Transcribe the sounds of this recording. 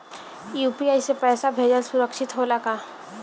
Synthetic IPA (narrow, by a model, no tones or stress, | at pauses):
juːpiaːjsepɛːsabʱeːd͡ʒəlsʊɾəkʃɪt̪ɦoːlakaː